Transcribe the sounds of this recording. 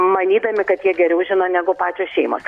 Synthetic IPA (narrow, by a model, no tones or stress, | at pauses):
mɐnʲiːd̪ɐmʲɪkɐt̪jiɛɡʲɛɾʲɛʊʒʲɪnoːnʲæːɡʊpɑːt͡ʃʲoːsʃʲɛɪmo̰ːs